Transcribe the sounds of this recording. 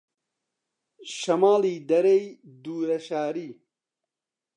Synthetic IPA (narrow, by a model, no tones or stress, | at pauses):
ɕɐmaːliːd̪ɐɾejd̪uːɾɐɕaːɾiː